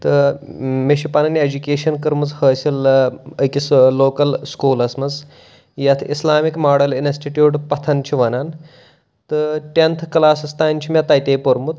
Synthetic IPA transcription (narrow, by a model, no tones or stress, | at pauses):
t̪ɨmeʃipɐnɐnied͡ʒukʲeːʃɐnkɐɾmɐt͡shəːsiləkʲisloːkɐlskuːlɐsmɐt͡s | jɐt̪ʰislaːmikmaːɽɐlinisʈiʈjuːʈpɐt̪ʰɐnt͡ʃʰiʋɐnan | t̪ɨʈent̪ʰklaːsɐst̪aːnʲt͡ʃʰimʲɐt̪ɐjt̪eːpoɾmut̪